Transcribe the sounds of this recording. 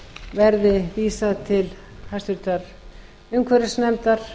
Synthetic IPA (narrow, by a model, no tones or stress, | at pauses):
vɛɾðɪviːsat̪ʰɪl | hajst̪ʏlt̪aɾ | ʏŋkʰvɛɾɪsnɛmt̪aɾ̥